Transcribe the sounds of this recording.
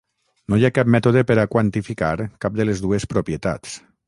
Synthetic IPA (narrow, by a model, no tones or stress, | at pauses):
nojakap̚mɛt̪oðepeɾakwant̪ifikaɾkap̚d̪əlezðuespɾopjet̪a̰t͡s